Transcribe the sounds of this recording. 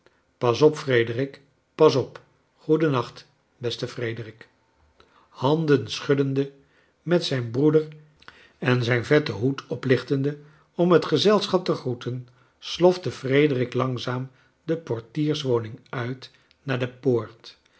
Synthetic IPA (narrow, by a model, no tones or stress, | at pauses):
pɑsɔpfrejdərɪk | pɑsɔp | χudənɑχt | bɛstəfrejdərɪk | hɑndənsχɵdəndə | mɛtsɛjnbrudəɹ | ɛnzɛjnvɛtəɦutɔplɪχtəndə | ɔmɦətχəzɛlˠsχɑp̚təχrutʰən | slɔftəfrejdərɪklɑŋzaːm | dəpɔɹtiːɹsʋownɪŋœɥt | naːɹdəpoːɹt